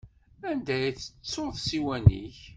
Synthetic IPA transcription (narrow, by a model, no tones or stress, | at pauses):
ænd̪æjθə̥t͡sːoðsiwænḭç